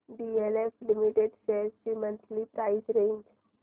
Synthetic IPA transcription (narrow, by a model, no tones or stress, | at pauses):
ɖieleflimiʈeɖsest͡ɕimənt̪ʰlipɾaisɾẽɲd͡ʒ